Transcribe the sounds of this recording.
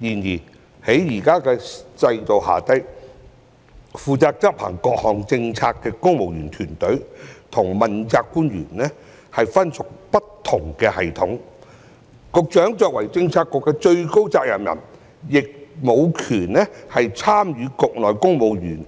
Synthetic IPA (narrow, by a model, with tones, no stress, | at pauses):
jiː˨˩njiː˨˩ | he˨˥jjiː˨˩kaː˥kɛː˧t͡sɐ˧jt̪o˨wha̰ː˨˩t̪ɐ˥j | fuː˨t͡saː˧k̚t͡sɐ˥p̚pʰa̰ː˨˩ŋkɔː˧k̚hɔː˨˩ŋt͡sɪ˧ŋt͡sʰaː˧kkːɛː˧kʊ˥ŋmo˨wjyː˨˩nt̪ʰyː˨˩nt̪ɵ˨˥ɥt̪ʰʊ˨˩ŋmɐ˨nt͡saː˧kkːuː˥nɥyː˨˩nlɛː˥ | hɐ˨jfɐ˥nsʊ˨k̚pɐ˥tt̪ʰːʊ˨˩ŋkɛː˧hɐ˨˩jt̪ʰʊ˨˥ŋ | kʊ˧k̚t͡ʃœː˨˥ŋt͡ʃœː˧k̚wɐ˨˩jt͡sɪ˧ŋt͡sʰaː˧kːɔː˧kːɛː˧t͡ʃɵ˧ɥko˥wt͡saː˧k̚jɐ˨˩mjɐ̰˨˩n | jɪ˨k̚mo˨˧wkʰyː˨˩nnɛː˥hɐ˨jt͡sʰaː˥mjyː˨˧kʊ˨k̚lɔː˨˩jkʊ˥ŋmo˨˧wjyː˨˩n